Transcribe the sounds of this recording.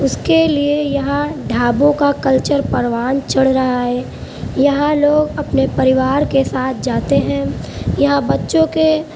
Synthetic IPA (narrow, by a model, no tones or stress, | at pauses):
ʊskeliejɐɦãɖʱaːbõkakɐlt͡ʃəɾpɐɾʋaːnt͡ʃɐɽ̤ɾɐɦaɦɛː | jɐɦãloːɡɐpnepɐɾɪʋaːɾkesaːt̪̚ʰd͡ʒaːt̪eɦɛ̃jɐɦãbɐtːʃõke